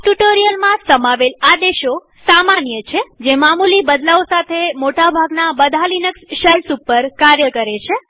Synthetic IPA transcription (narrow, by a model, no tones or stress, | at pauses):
ʈuʈoɾijəlmãsəmaʋelad̪eʃo | samanjət͡ʃʰed͡ʒemamulibəd̪laosat̪ʰemoʈabʱaɡnabəd̪ʱalinəksʃəlsupːəɾkaɾjəkəɾet͡ʃʰe